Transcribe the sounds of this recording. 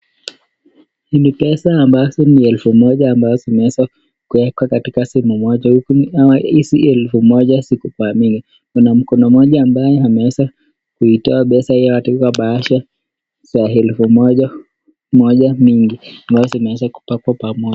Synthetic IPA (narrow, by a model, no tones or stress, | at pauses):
hinipɛsaːmbazɔniɛlfumɔʄaːmbazɔzimɛɛsa | kuɛkwakatikasimumɔʄahukuaaisiɛlfumɔʄasikupamiŋɡi | kunam̩kɔnɔmɔʄaːmbajɛamɛɛsa | kuitɔaɓɛsahijawatikwaɓaaʃa | saɦɛlfumɔʄa | mɔʄamiŋɡiambazɔzinɛɛsaku̥pakwapamɔʄa